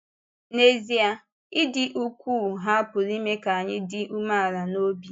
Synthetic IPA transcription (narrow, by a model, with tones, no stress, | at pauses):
ne˨zi˦a˨ | ɪ˦dɪ˨ʔu˦kʷu˦˨ɦa˦a˦pʊ˨ɾi˦me˦ka˨a˨ɲɪ˦dɪ˦u˦ma˦a˨ɾa˨no˦bi˨